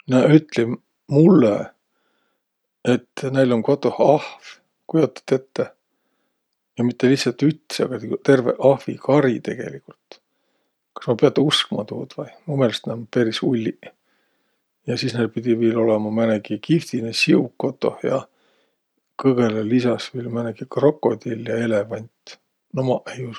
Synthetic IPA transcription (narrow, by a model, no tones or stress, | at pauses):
nɑyt̪ːˑlim | mulːe | e̞t̪ːne̞jlo̞ŋko̞t̪ˑːo̞hɑhv | kujo̞t̪ːˑɑ̥t̪et̪ːe | jɑmit̪ːe̞lihsɑlt̪yt̪seɑ̰ɡ̥ɑt̪iut̪e̞rvḛʔɑhvḭkɑɾit̪e̞̰ɡ̥e̞̰likult̪ | kɑ̥smɑpeɑt̪ːˑeuskmɑt̪ṵːd̪̥vɑjmumelst̪næmpeɾisulʲːi | jɑsiːsnelpid̪̥ʲiviːlo̞lemɑmænekikift̪inesiukːo̞t̪ːˑo̞̰hjɑ̰ | kɤɡelelisɑsviːlmænekikro̞kːˑo̞d̪iljɑe̞levɑnʲt̪ʲ | nomɑʔejus